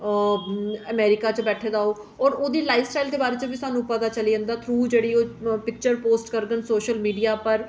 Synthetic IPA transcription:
əmɛːɾɪkaːt͡ʃəbɛːʈʰeːd̪aːoː | ɔːɾoːd̪iːlaːɪʋsʈaːɪjld̪eːbaːɾeːt͡ʃəbiːsaːnũːpəd̪aːt͡ʃəliːənd̪aːt̪ʰɾuːd͡ʒeːɽiːoːpɪk̚t͡ʃəɾpoːsʈkəɾɡ̪ənsoːʃəlmiːɖijaːpəɾ

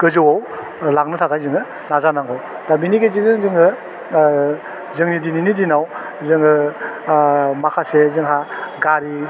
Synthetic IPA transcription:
kɯzɯwaw | laŋnɯtʰakajzɯŋɯ | nazanaŋaw | d̥abiniɡezizɯŋzɯŋɯ | zɯŋnidininidinaw | zɯŋɯ | makʰasezɯŋɦaɡaɾi

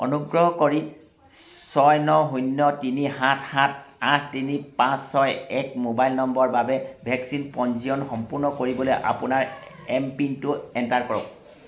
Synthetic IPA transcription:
ɔ̰nuɡɹɔɦɔkoɹi | sɔjnɔɦunːɔtiniɦãtʰhat̚ʰãtʰtinipãsːɔjɛkmobajlnɔmbɔɹbabɛbʱɛksinpɔnziɔnxɔmpuɹnɔkoɹibɔlojʔa̰pʊnaɹ | ɛmpintʊɛntaɹkɔɹɔk̚

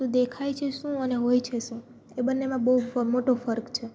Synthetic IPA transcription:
ũd̪ekʰajt͡ʃʰeʃũəneɦojt͡ʃʰeʃũ | ebənːemãbəɦufmoʈofəɾkt͡ʃʰe

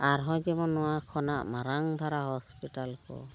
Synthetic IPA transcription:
aɹɦɔ̃jzɛmɔnːɔwakʰɔnaʔmaɾaŋd̪ʱaɾaɦɔspitalkɔ̰

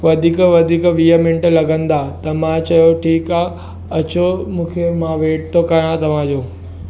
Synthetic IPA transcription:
ʋɐd̪ʱiːkʋɐd̪ʱiːkʋiːəmɪ̃ɳʈ̆lɐɡə̃nd̪at̪ɐmãt͡ɕɐjoʈʰiːkaː | ɐt͡ɕomũːkʰemãʋeːʈ̚t̪ʰokɐjãt̪ɐʋ̤ãd͡ʑoː

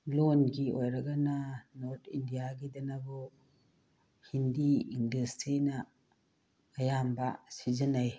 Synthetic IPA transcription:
lonɡiojɾɐɡananoɾt̪ʰindijaɡidɐnɐbu | hindiindustɾinɐ | jambɐsizɐnaj

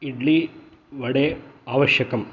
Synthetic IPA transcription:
iɖli | ʋɐɽeaːʋɐʂjɐkːɐm

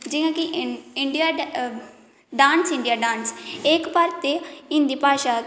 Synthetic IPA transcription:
d͡ʒɪjãːkɪɪɳɖɪjaː | ɖaːnsɪ̃ɳɖijaːɖãːnsɪkbaːɾt̪eːĩnd̪iːpaːʃaː

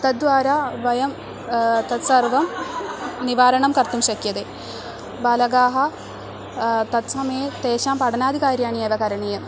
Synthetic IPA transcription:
t̪ɐd̪̚dʋaːɾaʋɐjɐm | t̪ɐt̪sɐrʋɐm | niʋaːɾɐɳɐmkɐrt̪umɕɐkjɐd̪e | bɐlɐɡaːɦɐ | t̪ɐt̪sɐmɐjet̪eːɕaːmpɐɽɐnaːd̪ʱikaːɾjaːnieːʋɐkɐɾɐɳijɐ

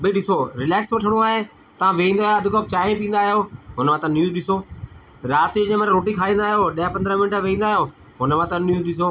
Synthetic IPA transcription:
biɗɪsoːɾɪlɛːksʋəʈʰəɽ̃oaːɦeː | t̪ɐʋãːʋeːĩnd̪aːd̪ʱʊkəb̚t͡ʃaːĩpĩːnd̪aːɦɪjoːɦʊnmãːt̪ãnjuːzɗɪsoː | ɾaːt̪id͡ʒẽːməɾɾoːʈiːkʰaːĩːnd̪aːɦɪjoːɗɪjapə̃nd̪ɾəmɪnʈaʋeĩːnd̪aːɦɪjoː | ɦʊnmãːt̪ãnjuːzɗɪs̬oː

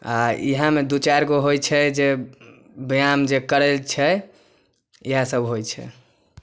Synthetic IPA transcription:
aḭɦãmed̪ut͡ʃaɾɡoɦojt͡ʃʰɛd͡ʒe | bəjamd͡ʒekəɾelt͡ʃʰɛ | iɦãsəbɦojt͡ʃʰɛ̰

